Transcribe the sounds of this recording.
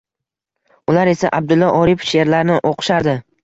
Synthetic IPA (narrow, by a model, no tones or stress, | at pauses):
ʊlaɾe̞saʔab̚d̪ʊlːɒʔɒɾɪpʃeɾlaɾnɪʔoqʰɨ̥ʃaɾd̪ɪ